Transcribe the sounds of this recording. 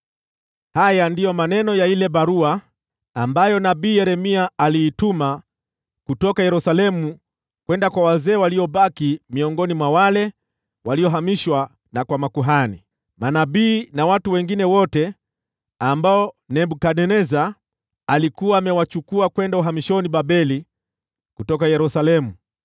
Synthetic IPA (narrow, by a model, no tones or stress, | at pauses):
hajandijɔmanɛnɔjailɛbaɾuaː | mbajɔnabiːjɛɾɛmiaaliːtuma | kutɔkajɛɾusalɛmu | kwɛndakwawazɛːwaliɔɓakimiɔŋɡɔnimwawalɛ | waliɔɦamiʃwa | nakwamakuɦani | manabiːnawatuwɛŋɡinɛwɔtɛ | ambaɔnɛbukaɗɛnɛza | alikuwaːmɛwat͡ʃukuakwɛndauɦamiʃɔniɓabɛli | kutɔkajɛɾusalɛmu